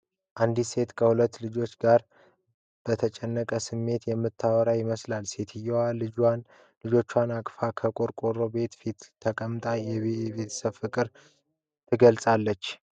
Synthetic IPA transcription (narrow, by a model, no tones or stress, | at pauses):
ʔand̪ise̞t̪kʰəhulət̪ːlɨd͡ʒo̞t͡ʃːɡaɾ | b̥ət̪ʰət͡ʃʼɛnːəkʼəsɨmːe̞t̪jɛmːɨt̪ʰːawɔɾajɪməslalse̞t̪ʰɨjɛwalɨd͡ʒan | lɨd͡ʒo̞t͡ʃːwanakʼfakʰəkʼo̞ɾkʼo̞ɾo̞be̞t̪fit̪ʰːəkʼəmt̪ʼajɛββe̞t̪ʰə̥səβfɨkʼɨɾ | t̪ʰɨɡəlsʼalːət͡ʃː